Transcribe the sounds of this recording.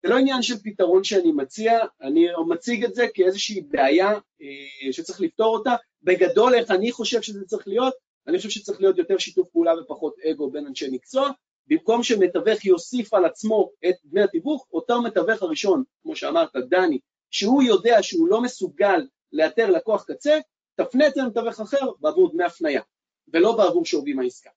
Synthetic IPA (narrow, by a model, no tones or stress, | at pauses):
zeloinjanʃe̞lpitaʁo̞nʃeanimat͡siaːnimat͡siɡetze̞kie̞zeʃiːbeaja | eʃet͡sʁiχlifto̞ʁo̞ta | be̞ɡado̞le̞χaniχo̞ʃe̞vʃezet͡sʁiχlijo̞t̚ | aniχoʃevʃet͡sʁiχlijo̞t̪jo̞te̞ʁʃitufpeulavepaχo̞t̪e̞ɡo̞be̞nanʃemikt͡so̞a | bimko̞mʃeme̞tave̞χjo̞sifalat͡smo̞et̪̚dnejat̪ibuχotaʁme̞tave̞χaʁiʃo̞nkmo̞ʃea̰maʁt̪ad̪ani | ʃehujo̞de̞aʃeulo̞me̞suɡalː | e̞jate̞ʁlako̞aχkat͡se̞ | tafneet͡semet̪ave̞χaχe̞ʁbeːvuʁdnejafnaja | ve̞lo̞beavuʁʃovimaiska